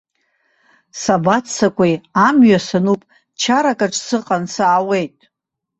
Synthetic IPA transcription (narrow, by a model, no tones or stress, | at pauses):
sabat͡ssakʷʰʼijamɥasanupʼ | t͡ʃʰaɾakʼaʈ͡ʂʰʼsɨqʼansaːwe̞jtʼ